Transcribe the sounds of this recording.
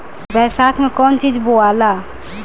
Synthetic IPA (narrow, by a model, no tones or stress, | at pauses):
bɛsat̪ʰmekɔnt͡ʃid͡ʒboala